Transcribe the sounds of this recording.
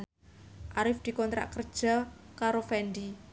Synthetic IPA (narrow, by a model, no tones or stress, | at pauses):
ʔaɾɪfd̪̥i̤kɔnt̪ɾa̰ʔkər̥ʒ̥a̤kaɾofɛnd̪i